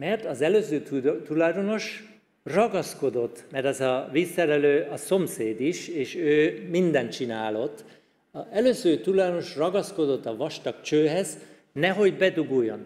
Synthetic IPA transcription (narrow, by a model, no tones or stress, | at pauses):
mɛrt̪ɒzɛløːzøːt̪ulɒjd̪ono̞ʃ | rɒɡɒsko̞d̪o̞t̪ːmɛrt̪ɒzɒviːsːɛɾɛløːʔɒso̞mseːd̪iʃeːʃøːmind̪ɛnt̪t͡ʃinaːlo̞t̪ː | ɛløːzøːt̪ulɒjd̪ono̞ʃrɒɡɒsko̞d̪o̞t̪ːɒvɒʃt̪ɒk̚t͡ʃøːɦɛz | nɛɦo̞ɟbɛd̪uɡujːo̰n